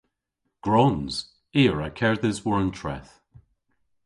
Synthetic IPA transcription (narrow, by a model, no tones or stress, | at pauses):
ɡ̥ɹɔnz̥ | iːɹakʰɛɹðɪzwɔɹəntʰɹ̥ɛ̰θ